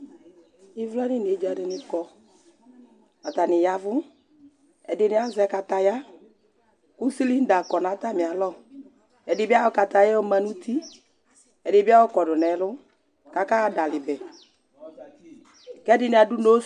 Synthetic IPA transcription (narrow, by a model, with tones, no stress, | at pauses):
ɪ˦vla˦nɪ˦˨n˨e˨˦d͡ʒa˨dɪ˨nɪ˦kɔ˧ | a˨ta˨nɪ˨ja˦vʊ˦ | ɛ̰˨dɪ˨nɪ˦a˦zɛ˨˦ka˧ta˧ja˦ | kʊ˦si˦li˦n̩˦da˨kɔ˨na˨˦ta˦˨mɪ˨a˨lɔ˦˨ | ɛ˨dɪ˨bɪ˦a˦wɔ˦ka˨ta˨jɛ˦ɔ˦ma˨nu˦ti˦ | ɛ˨dɪ˨bɪ˦a˦wɔ˦kɔ˨dʊ˨nɛ˨˦lʊ˦ | ka˨ka˦˨˦da˨lɪ˨bɛ˨ | kɛ˦dɪ˨nɪ˨a˨dʊ˦no˦